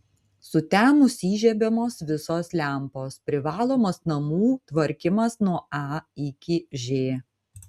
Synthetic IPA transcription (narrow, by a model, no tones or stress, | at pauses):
sʊt̪ʲɛmʊsʲiːʒʲɛbʲɛmoːsʋʲɪsoːslʲæˑmpoːspʲɾʲɪʋɑːlˠoːmɐsnɐmuːt̪ʋɐɾʲkʲɪmɐsnuɔɑːɪkʲɪʒʲeː